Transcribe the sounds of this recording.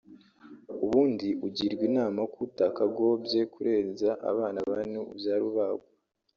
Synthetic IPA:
uβuːndiuɟiːɾɡwiːnaːmakutakaɡo̞bje̞kʰuɾʔe̞ːnzaʔa̰βaːnaβanuubjaːɾiβaɡo

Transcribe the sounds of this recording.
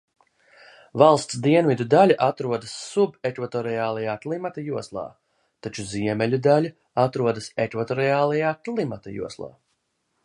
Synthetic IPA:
vɑlˠst̪sd̪iɛnvid̪ud̪alʲaʔat̪ɾuɔd̪asːubekvat̪ɔɾijaːlˠajaːklˠimat̪ajuɔslˠɑ̰ː | t̪at͡ʃuziɛmɛlʲud̪alʲa | at̪ɾuɔd̪asekvat̪ɔɾiaːlˠajaːklˠimat̪ajṵɔslˠɑ̰ː

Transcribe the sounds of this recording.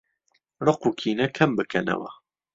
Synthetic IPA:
rɨqukʰiːnɐkʰɐmbɨkʰɐnɐ̰wɐ̰

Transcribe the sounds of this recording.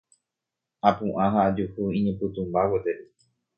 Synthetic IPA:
apũʔãɦaːd͡ʒuhuĩɲẽpɨt̪ũmbawet̪eɾi

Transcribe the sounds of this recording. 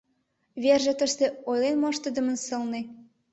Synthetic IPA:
βerʒĕt̪əʃt̪ĕojlenmɑʃt̪ə̆d̪ə̆mə̆nsɤ̆lne

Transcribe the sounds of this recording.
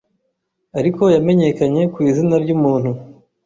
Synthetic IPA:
aɾiko̞jame̞ɲe̞kaɲe̞kwiːzinaɾɟumuːn̥hu

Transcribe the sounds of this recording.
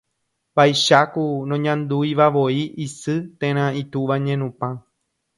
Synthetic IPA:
bajʃakunõɲãnd̪ujʋaʋoiʔisɨt̪ẽɾ̃ãit̪uʋaɲẽnũpã

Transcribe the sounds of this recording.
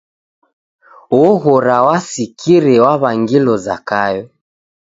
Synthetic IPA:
wɔɣɔɾawasikʰiɾɛwaβaŋɡilɔza̰kajɔ

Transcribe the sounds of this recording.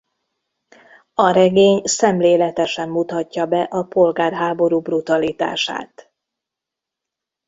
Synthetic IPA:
ɒɾɛɡeːɲsɛmleːlɛt̪ɛʃɛmːut̪ɒcːɒbɛʔɒpo̞lɡaːrɦaːbo̞ɾuːbrut̪ɒlit̪a̰ːʃa̰ːt̪

